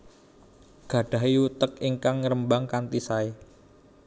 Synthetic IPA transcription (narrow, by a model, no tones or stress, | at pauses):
ɡ̥ä̤ɖ̥ä̤ɦiut̪əkiŋkaŋɾəmbaŋkant̪isae